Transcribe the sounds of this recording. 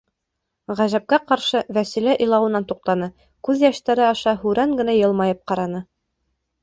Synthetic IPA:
ʁæʒæp̚kæqɑɾʃɤvæsilæʔɤ̆jlˠɑwɤ̆nɑnt̪uq̚t̪ɑnɤ | kʉðjæʃt̪æɾɘɑʃɑhʉɾæŋɡɘ̆næjɤ̆lˠmɑjɤp̚qɑɾɑnɤ

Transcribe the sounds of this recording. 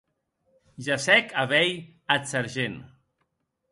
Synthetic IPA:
ʒasɛkʰaβɛj | at͡saɾʒen

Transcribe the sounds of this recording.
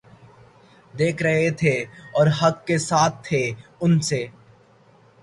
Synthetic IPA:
d̪eːkʰɾɐɦet̪ʰeɔːɾɦɐkːesaːt̪ʰːeʊnseː

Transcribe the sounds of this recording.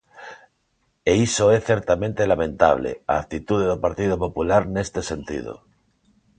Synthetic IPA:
eisoeθeɾt̪amẽnt̪elamẽ̞nt̪a̰β̞lḛa̰ːkt̪it̪uðeðopaɾt̪ið̞opo̞pulaɾne̞st̪e̞se̞nt̪ḭðo̰

